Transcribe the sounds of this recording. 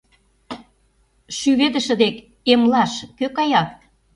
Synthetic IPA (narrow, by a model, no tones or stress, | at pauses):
ʃyβed̪ə̆ʃə̆d̪ek | emlɑʃkøkɑjɑk̪